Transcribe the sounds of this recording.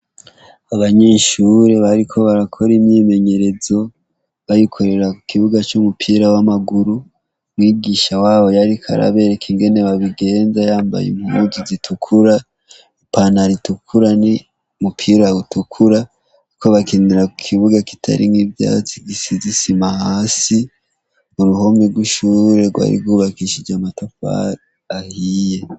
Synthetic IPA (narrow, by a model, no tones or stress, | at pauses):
aβaɲeːʃuɾe̞βaɾikʰo̞βaɾakʰo̞ɾimɲime̞ɲe̞ɾe̞zo̞ | βajikʰo̞ɾe̞ɾakukʰiβuɡat͡ʃumupʰiːɾawamaɡuɾu | mwiːɡiːʃawaːβo̞jaɾikʰa̰ɾa̰βe̞ɾekeŋɡe̞ne̞βaβiɡe̞ːnzajaːmba̰jḛmumuzuzitʰukʰuɾa | ipanaɾitukʰuɾani | mupʰiːɾautukʰuɾa | koβakʰiniɾakukʰiβuɡaki̥tʰa̰ɾḭŋivja̰ːt͡siɡisizisimahaːsi | uɾuho̞miɡwuʃuːɾe̞ɾɡwa̰ːɾḭbɡuːβakiʃid͡ʒamatafa̰ | ahije̞